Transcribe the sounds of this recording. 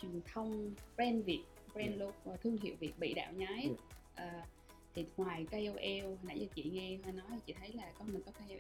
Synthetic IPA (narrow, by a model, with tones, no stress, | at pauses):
t͡ɕwi˨˩əŋt̪ʰə˧wŋ͡mbɛ˧nvi˨˩ət̚bɛ˧nlo˧k̚ːt̪ʰɨ˧əŋɦḭ˧˨əwvi˨˩ət̚ɓḭ˧˨ɗa̰ː˧˨wɲaː˨˦jʔəː˨˩ | t̪ʰi˨˩ŋwaː˨˩jkə˧jʔo˧ʔɛ˧whi˨˩nʔa̰˧˩jzaː˧˩t͡ɕḭ˧˨ŋɛ˧ɦa˧˩nɔ˨˦ja˨˩t͡ɕḭ˧˨t̪ʰə˨˦jlaː˨˩kɔ˨˦mï˨˩kɔ˨˦k̪ʰa˧j